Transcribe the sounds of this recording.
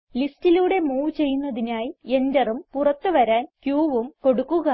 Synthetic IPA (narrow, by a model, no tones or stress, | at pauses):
listiluːɽe̞muːt͡ɕe̞jːunːɐðinaːjie̞ndɐrumpurɐt̪ːɨʋɐɾaːnkjuːʋumko̞ɽukːuɣɐ